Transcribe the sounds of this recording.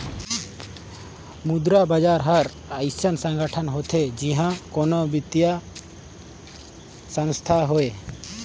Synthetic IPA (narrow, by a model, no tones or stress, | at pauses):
mud̪ɾabad͡ʒaɾɦaɾ | ajsənsəŋɡəʈʰanɦɔt̪ʰed͡ʒiɦãkɔnɔbit̪ija | sə̃ŋst̪ʰaɦɔe